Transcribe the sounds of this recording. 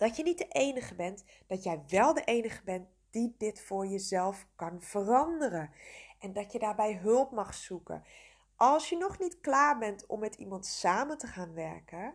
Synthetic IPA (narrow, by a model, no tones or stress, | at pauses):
d̥ɑtjənit̚dəʔejnəɣəbɛnt | d̥ɔtjɛjʋɛlˠdəʔejnəɣəbɛnt | d̥idɪtfʊːɹjəzɛlˠfkɑnv̥ərɑndərəʔɛndɑtjədaːɹbɛjɦɵlˠpmɑχsukə̰ | ʔɑlˠsjənɔχnitklaːɹbɛntʰɔ̰mːɛtʰimɑntsaːməntəχaːnʋɛɹkə